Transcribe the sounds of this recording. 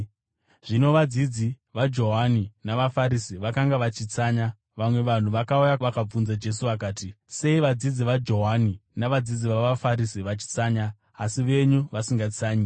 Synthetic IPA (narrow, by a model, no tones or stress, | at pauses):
ʐ̥ino̞ʋad͡zid͡zi | ʋad͡ʒo̞ɦaninaʋafaɾisiʋakaŋɡaʋat͡ʃit͡saːɲa | ʋamwe̞ʋan̤uʋakaujaʋakab͡vunzad͡ʒe̞s̬uʋakaːti | se̞iʋad͡zid͡ziʋad͡ʒo̞ɦaninaʋad͡zid͡ziʋaʋafaɾisiʋat͡ʃi̥t͡saːɲaː | siʋe̞ɲuʋasiŋɡat͡saːɲi